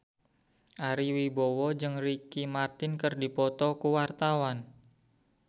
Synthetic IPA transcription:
ʔaɾiwibɔwɔd͡ʒɨŋrikimart̪ɪnkərdipɔt̪ɔkuwart̪awan

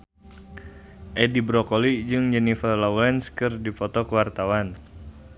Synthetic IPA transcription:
ʔɛdibɾɔkolid͡ʒɨŋd͡ʒɛnifəlawlɛnskɨrdipɔt̪ɔkəwart̪awan

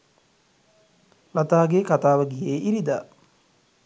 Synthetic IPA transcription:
lat̪aːɡekat̪aːʋəɡijeːʔiɾid̪aː

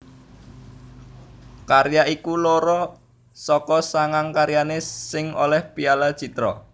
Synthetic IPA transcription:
kaɾjaʔikuloɾɔ | sɔkɔsaŋaŋkaɾjanesɪŋo̰lɛhpialad̥ʒ̥it̪ɾɔ

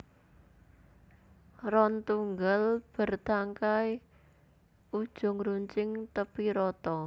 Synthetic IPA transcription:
rɔnt̪uŋɡəlb̥ə̤rt̪aŋkaj | ud̥ʒ̥ʊ̤ŋɾuɲt͡ʃɪŋt̪əpiɾɔt̪ɔ

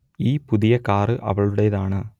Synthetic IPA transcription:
iːpʊðɪjɐkaːrɯʔɐ̰ʋɐɭɯɽɐjɐðaːɳɐ

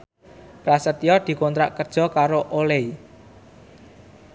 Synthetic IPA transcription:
pɾasət̪jɔd̪̥i̤kɔnt̪ɾaʔkərd̥ʒ̥ɔ̤kaɾoʔolei

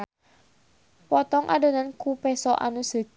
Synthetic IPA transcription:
pɔt̪ɔŋʔa̰donankupɛsɔʔa̰nusə̤k

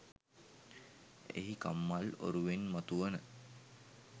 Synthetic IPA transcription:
ḛɦika̰mːalo̰ɾuʋenmat̪uʋənə

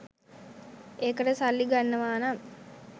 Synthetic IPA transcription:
eːkəʈəsalːiɡanːəʋaːnam

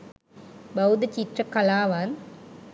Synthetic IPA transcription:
bɐwd̪ɐt͡ɕiʈrɐkɐlaːʋaːn

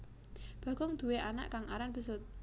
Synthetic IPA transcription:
b̥ä̤ɡ̥ɔŋd̪̥ṳweʔana̰ʔkaŋaɾanb̥əsʊt̪̚

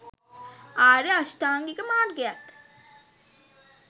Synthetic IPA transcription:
aːɾeaʃʈaːŋɡikəmaːrɡeak

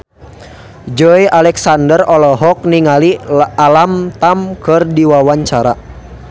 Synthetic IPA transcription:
d͡ʒɔjʔalɛksandərɔlɔɦɔk̚niŋalialamt̪amkɨrdiwawaɲt͡ʃaɾa

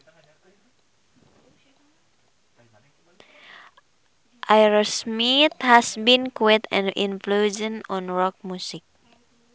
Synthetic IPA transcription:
ʔajɹasmit̪hɛsbĩnkwet̪ɛ̰̃nḭ̃nflud͡ʒə̃nɔ̃nɹɔk̚mjusik̚

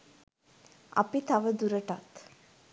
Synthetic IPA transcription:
a̰pit̪aʋəd̪uɾəʈat̪

